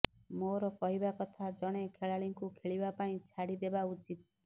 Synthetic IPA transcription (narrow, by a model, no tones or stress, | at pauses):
moɾɔkɔɦibakɔt̪ʰad͡ʒɔɽ̃ekʰeɭaɭiŋkukʰeɭibapaĩt͡ʃʰaɽid̪ebaut͡ʃit̪̚